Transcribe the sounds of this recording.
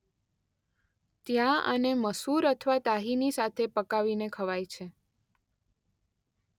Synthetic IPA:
t̪jãə̰neməsuɾət̪ʰʋat̪aɦinisat̪ʰepəkaʋinekʰəʋajt͡ʃʰe

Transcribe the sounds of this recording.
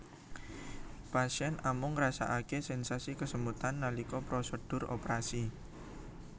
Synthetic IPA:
pasiɛnamʊŋrasa̰ʔakesɛnsasikəsəmbut̪anːalikɔpɾosəd̥ʊ̤ro̰pɾasi

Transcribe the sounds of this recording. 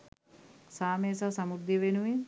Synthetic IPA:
saːmeːsasɐmuɾd̪iʋenuʋin

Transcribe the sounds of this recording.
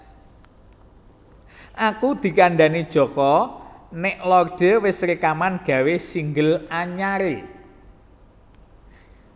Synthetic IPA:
ʔakud̪̥i̤kaɳɖanid̥ʒ̥ɔ̤kɔnɪʔlɔrɖ̥ə̤wɪsɾekamanɡ̥ä̤wesiŋɡəlaɲaɾe

